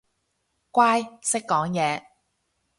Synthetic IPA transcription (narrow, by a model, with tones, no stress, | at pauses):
kʷaː˥jsɪ˥kːɔː˨˥ŋjɛː˨˧